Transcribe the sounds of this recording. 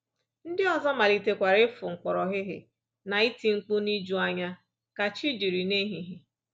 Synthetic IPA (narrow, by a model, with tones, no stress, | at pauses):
n̩˦dɪ˦ɔ˨zɔ˦ma˨li˨te˨kʷa˨ɾɪ˦fʊ˨ŋ̩˨kʷɔ˨ɾɔ˨ɦɪ˦ɦɪ̰˨ | na˨i˦ti˨ŋ͡m̩˦k͡pʊ˦ni˦d͡ʒu˦a˦ɲa˦ | ka˨t͡ʃi˦d͡ʒi˨ɾi˨ne˦ɦi˨ɦi˦